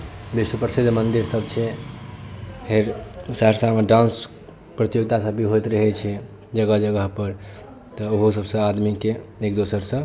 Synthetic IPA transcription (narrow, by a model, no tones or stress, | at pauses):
biswəpɾəsid̪ʱmənd̪iɾsəbt͡ʃʰɛ | pʰeɾsəɦəɾsameɖãns | pɾət̪ijoɡt̪asəbiɦot̪ɾəɦɛt͡ʃʰɛ | d͡ʒəɡəɦd͡ʒəɡəɦpəɾ | t̪əoɦos̬əbsə̃ad̪mikeekd̪osəɾsə̃